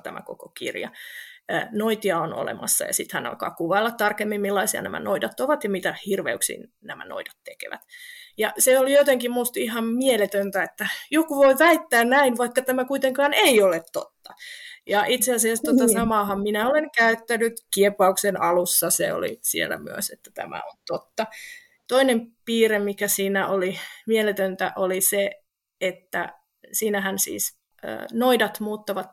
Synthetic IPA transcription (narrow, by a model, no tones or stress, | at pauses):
t̪æ̰mæ̰ko̰kokḭrjɑ̰ | noit̪iɑono̰lḛmɑ̰sːɑ̰jɑ̰sit̪hænɑ̰lkɑ̰ːkuʋɑilːɑt̪t̪ɑrkemːimmilːɑisiɑ̰næ̰mæ̰noidɑt̪oʋɑt̪jɑmit̪æhirʋḛuksḭːn | næmæ̰no̰idɑ̥t̪t̪ekḛʋæ̰t̪jɑseolijot̪eŋkimmust̪ihɑmmielet̪ønt̪æet̪ːæjokuʋoiʋæit̪ːæːnnæinʋɑikːɑt̪æmækuit̪eŋkɑːneiolet̪t̪o̰t̪ːɑjɑʔit̪seɑsiæst̪ot̪ɑsɑmɑhɑmminæoleŋkæyt̪ːænyt̪kiepɑuksenɑlusːɑsḛo̰lḭsḭḛlˑːæ̰my̰ø̰set̪ːæt̪æ̰mæ̰o̰nt̪ot̪ːɑ | t̪oinempiːremikæsiːnæʔolimielet̪ønt̪æ̰ʔolise | et̪ːæ̰ | siːnæɦænsḭːs | ø̰ːnoidɑt̪muːt̪ːɑʋɑt̪